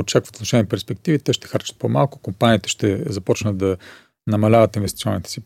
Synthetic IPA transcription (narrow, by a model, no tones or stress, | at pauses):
ot͡ʃakvət̪t̪noʃɛniɛpɛɾspɛk̚t̪ivit̪ɛʃt̪ɛ̥xaɾt͡ʃət̪̚pomalˠkʊ̥kompaniːt̪ɛ̥ʃt̪ɛzɐpɔt͡ʃnəd̪̚d̪ɐ | nɐmɐlʲavət̪invɛst̪i̥siɔnːit̪ɛ̥si